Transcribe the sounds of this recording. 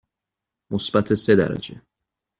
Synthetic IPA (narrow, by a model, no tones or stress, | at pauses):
mosbæt̪ʰese̞d̪æ̰ɾæ̰d͡ʒe̞